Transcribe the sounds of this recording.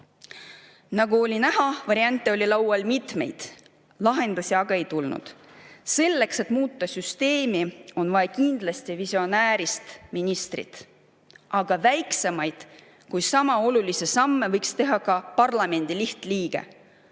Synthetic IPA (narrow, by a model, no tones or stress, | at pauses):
nɑɡ̥uo̞lʲinæɦɑvɑɾiɑnʲt̪ːˑe̞o̞lʲilɑwwɑlmit̪me̞̰jd̪̥ | lɑɦe̞nd̪̥usiɑɡ̥ɑe̞jt̪ulnṵd̪̥ | se̞lːe̞kse̞t̪muːt̪ˑːɑsyst̪e̞ːmio̞nvɑekind̪̥lɑst̪ivisio̞næːɾist̪minʲist̪rḭt̪ | ʔɑɡ̥ɑvæjkse̞mɑjd̪̥ | kujsɑmɑo̞lulise̞sɑmːevɤjkst̪e̞ɦɑkɑpɑrlɑme̞nd̪̥iliht̪liːɡ̥e̞̰